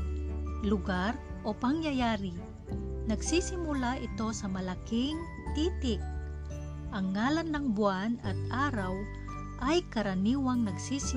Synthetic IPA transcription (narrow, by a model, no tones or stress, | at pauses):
lʊɡaɾʔopɐŋjɐjaːɾɪ | nɐɡsisɪmʊlaʔɪt̪o̞sɐmɐlakɪŋ | t̪iːt̪ɪk̚ | ʔɐŋːaːlanːɐŋbʊanɐt̪ʔaːɾaw | ʔɐjkɐɾɐniːwɐŋnɐɡsis